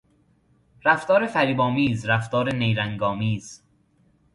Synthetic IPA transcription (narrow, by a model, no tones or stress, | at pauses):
ɾæft̪ɒːɾe̞fæɾiːbɒːmiːzɾæft̪ɒːɾenejɾæŋɡɒːmiːz̥